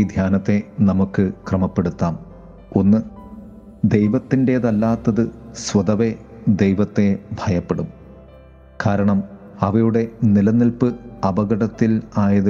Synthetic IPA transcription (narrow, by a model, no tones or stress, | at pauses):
d̪ʱjaːnɐt̪ːe̞nɐmukːɨkrɐmɐpːe̞ɽut̪ːaːm | o̞nːɨ | d̪ejʋɐt̪ːinde̞ðɐlːaːt̪ːɐðɨswɐd̪ɐʋed̪ejʋɐt̪ːe̞bʱɐjɐpːe̞ɽum | kaːɾɐɳɐm | ɐʋɐjuɽe̞nilɐnilpɨɐbɐɡɐɽɐt̪ːilaːjɐðɨ